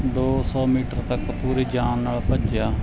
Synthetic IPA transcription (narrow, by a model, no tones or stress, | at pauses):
d̪oːsɔːmiːʈəɾt̪əkpuːɾiːd͡ʒaːnːaːlpəd͡ʒjaː